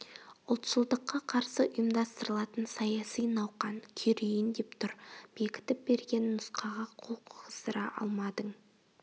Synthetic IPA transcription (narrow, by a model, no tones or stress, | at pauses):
ʊlˠt̪ʃəlˠd̪əqːɑqʰɑɾsəʔʊjəmd̪ɑst̪əɾəlˠɑt̪ənsɑjɑsijnɑwqɑnkʲʰɵɾejɪnd̪e̞pt̪ʰʊɾb̥e̞kʲɪ̥t̪ɪp̚be̞ɾɡʲe̞nːʊsqɑʁɑqʰolˠqʰʊʁəsəɾɑʔɑ̰lˠmɑd̪əɴ